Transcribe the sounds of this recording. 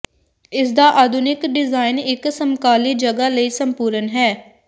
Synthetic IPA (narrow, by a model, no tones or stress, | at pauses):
ɪs̬d̪aːʔaːd̪ʱʊnɪkɖɪzaːɪnɪksəmkaːliːd͡ʒəɡaːləiːsəmpuːɾənɦɛː